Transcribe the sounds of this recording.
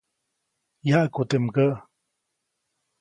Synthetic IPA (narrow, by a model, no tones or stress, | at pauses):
jaʔkut̪emkəʔ